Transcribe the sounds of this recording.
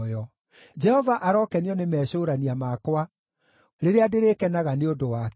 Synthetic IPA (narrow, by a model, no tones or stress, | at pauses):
jɔ | d͡ʒɛhɔvaʔaɾɔkɛniɔnemɛːɕoːɾaniamakowa | ɾeɾeadeɾeːkɛnaɣaneodowak